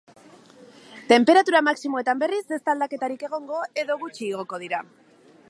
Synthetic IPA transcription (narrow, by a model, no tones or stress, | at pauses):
t̪e̞mpe̞ɾat̪uɾamaksimoe̞t̪ambe̞rize̞st̪ald̪ake̞t̪aɾike̞ɣ̞o̞ŋɡo̞e̞ðo̞ɣ̞ut͡ʃiːɣ̞o̞ko̞ð̞iɾa